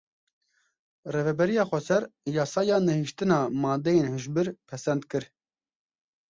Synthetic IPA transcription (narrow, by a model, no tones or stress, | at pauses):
reːvɛbɛɾijɑːxʷɛsɛɾjɑːsɑːjɑːnɛhiʃt̪ɨnɑːmɑːd̪ejeːnhɨʒbɨɾpʰɛsɛnd̪kɨɾ